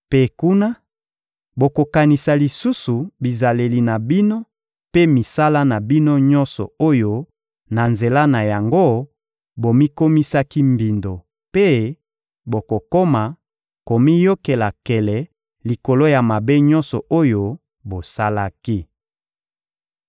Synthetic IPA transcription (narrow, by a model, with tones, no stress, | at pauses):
pe˦ku˦na˦ | bo˨ko˨ka˨ni˨sa˨li˨su˦su˨bi˨za˨le˨li˨na˨bi˦no˦ | pe˦mi˨sa˦la˦na˨bi˦no˦ɲɔ˦nsɔ̰˨o˦jo˦ | na˨nze˨la˦na˨ja˨ŋɡo˦ | bo˨mi˦ko˦mi˦sa˦ki˦mbi˨ndo˨ | pe˦ | bo˨ko˨ko˦ma˨ | ko˨mi˦jo˦ke˨la˨kɛ˨lɛ˨ | li˨ko˨lo˦ja˨ma˨be˦ɲɔ˦nsɔ˨ʔo˦jo˦ | bo˨sa˦la˦ki˦